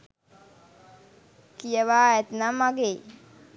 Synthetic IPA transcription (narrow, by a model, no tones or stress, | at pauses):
kijəʋaːɛt̪namaɡeː